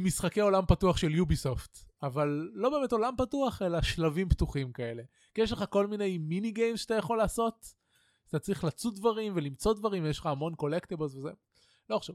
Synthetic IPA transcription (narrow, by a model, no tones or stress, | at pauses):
misχakeo̞lampatuaχʃe̞ljubiso̞ftavalːo̞be̞me̞to̞lampatuaχe̞laʃlavimptuχimkae̞le̞ | kijeʃ̬leχako̞lmine̞jminiɡejnʃat̪ajaχo̞laːso̞t̪ | at̪at͡sʁiχlat͡sudvaʁimvelimt͡so̞dvaʁimvejeʃleχaːmo̞nko̞lekt̪eblzveze | loʃav